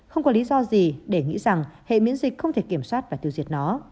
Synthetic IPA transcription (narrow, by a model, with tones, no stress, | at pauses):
xə˧wŋ͡mkɔ˨˦li˨˦zɔ˧zi˨˩ɗe˧˩ŋḭ˧˥za˨˩ŋhḛ˧˨mḭ˧˥ənzi˨˩k̟̚xə˧wŋ͡mt̪ʰe˧˩ki˧˩əmswaː˦˥t̚vaː˨˩t̪i˨˩əwzi˨˩ət̚nɔ˨˦